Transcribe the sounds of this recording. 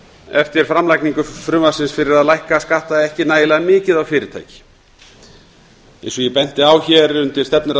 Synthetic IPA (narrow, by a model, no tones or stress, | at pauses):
ɛft̪ɪɾ̥fɾamlajkniŋkʏfɾʏmḁsɪnsfɪɾɪɾaðlajhkaskaht̪aðɛhcɪnaːjlaðmɪːcɪðawfɪːɾɪɾ̥t̪ʰa̰ːjcɪ̥ | ḛ̃jnsɔjɛpɛn̥t̪ɪawçɛɾʏmt̪ɪlst̪ɛpnʏɾ